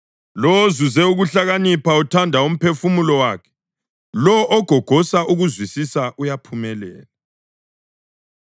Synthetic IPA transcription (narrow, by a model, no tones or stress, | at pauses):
lɔwozuzɛuɣuɬaɣanipʰautʰandʱaum̩pʰefumulɔwaːkʰɛ̥ | lɔʔɔɡ̥ʱɔɡ̥ʱɔsaʔuɣuzwisisaʔujapʰumɛlɛ̰ːla